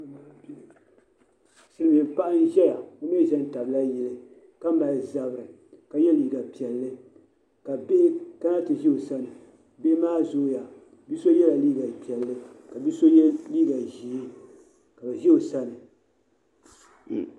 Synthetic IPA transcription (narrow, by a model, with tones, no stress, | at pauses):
sɨ˦lɨ˦mi˨m̩˨pa˦ʔa˦n˦ʒɛ˦la˨o˦me˦˨ʒɛ˦n˦ta˨bla˦jɛ˨lɨ˨ | ka˦ma˨lza˨bɨ˨ɾɨ˨ | ka˨jɛ˦liː˨˦ɡa˨pi˨ɛ˨lːɨ˦ | ka˨be˦ka˦na˦tɨ˨ʒi˦o˨sa˦nɨ˨ | be˦maː˦zo˦ja˨ | bi˦so˦jɛ˦la˨liː˦ɡa˨pi˨ɛ˨lːɨ˦ka˨bi˦so˦liː˦ɡa˨ʒi˨e˦ | ka˨bɨ˨ʒi˦o˨sa˦nɨ˨